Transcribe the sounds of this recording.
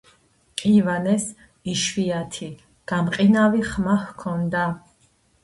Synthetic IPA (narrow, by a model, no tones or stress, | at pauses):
qʼivanɛs | iʃviat̪ʰi | ɡ̥amqʼinaviχmahkʰɔnd̪a